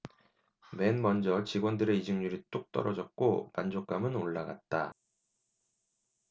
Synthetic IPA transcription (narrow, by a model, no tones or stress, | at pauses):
me̞nmʌnd͡ʑʌt͡ɕiɡwʌndɯɾe̞id͡ʑɯŋɲuɾit͈ok̚t͈ʌɾʌd͡ʑʌt̚k͈opand͡ʑok͈̚amɯnoɭːaɡa̰t̚t͈a